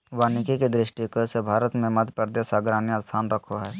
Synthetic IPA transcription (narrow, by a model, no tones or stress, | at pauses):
ʋaːnɪkiked̪ɾɪʃʈikəsebʱaːɾət̪mẽmɐd̪ʱpɾd̪eːsaːɡɾaːnjast̪ʰaːnɾəkʰoɦɛː